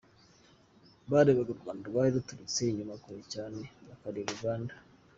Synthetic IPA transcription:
βaɾeβaɡaβaːnduβaiɾutuɾit͡seiɲumakoecaːneβakaɾiɾuɡaːndḁ

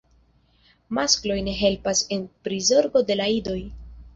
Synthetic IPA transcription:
masklo̞jne̞ɦe̞lpase̞npɾizo̞ɾɡo̞de̞laido̞j

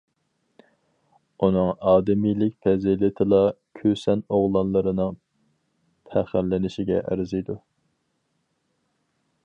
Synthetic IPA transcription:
unɨŋɑːd̪ɪmijlɪkʲpʰɛzɪlɪt̪ʰɨlˠɑkʲʰøsɛnoʁlˠɑnlˠɨɾɨnɨŋ | pʰæχælːɪnɪʃɪɡʲɛ̰ʔæ̰ɾɪzɪjd̪u

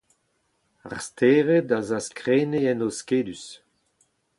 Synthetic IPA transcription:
a̰ʁst̪ʰeːʁed̪azaskʁeːneɛnoskeːdys

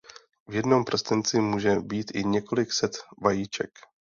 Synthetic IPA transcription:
vjɛdno̞mpr̩st̪ɪnt͡sɪmuːʒɛbiːt̪ʔɪɲɛko̞lɪksɛt̪vajiːt͡ʃɛ̰k

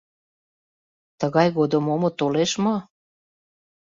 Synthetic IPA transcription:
t̪əɣɑjɣod̪əmomŏt̪oleʃmɤ

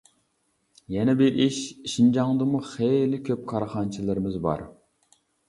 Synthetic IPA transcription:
jɛnɛbɪɾʔiʃiʃind͡ʒɑŋd̪ɨmuχejlɪkʲʰøp̚kʰɑɾχɑnt͡ʃʰilˠɪɾɪmɪzbɑ̰ɾ

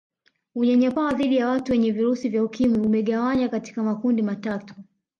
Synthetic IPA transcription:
uɲaɲapawaðiɗijawatuwɛɲɛviɾusivjaukimiumɛɠawaɲakati̥kamakundimatatu̥

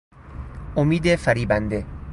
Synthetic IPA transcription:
ʔomiːd̪efæɾiːbænd̪e

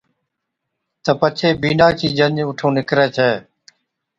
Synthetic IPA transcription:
t̪əpət͡ʃʰeːbiːnaːt͡ʃiːd͡ʒəɲʊʈʰõːnɪkɾeːt͡ʃʰɛː

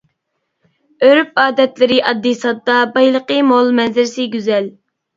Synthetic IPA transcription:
øɾyp̚ɑːd̪ɛt̪lɪɾɪʔɑd̪ːisɑd̪ːɑbɑjlˠəqəmolˠmɛnzɪɾsɪɡʲyzɛl

